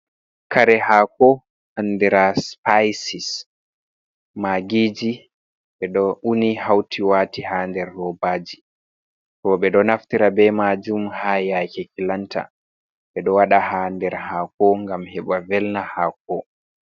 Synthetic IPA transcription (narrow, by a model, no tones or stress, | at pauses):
kaɾɛhaːkɔ | anːdɛɾaspajsis | maɡiːd͡ʒi | ɓɛɗɔʔunihawtʰiwaːtihandɛɾːɔbaːd͡ʒi | tɔɓɛɗɔnaftiɾabɛmad͡ʒumhajakɛkilantʰa̰ | ɓɛɗɔwaɗahandɛɾhaːkɔŋɡamhɛɓavɛlnahak̚ɔ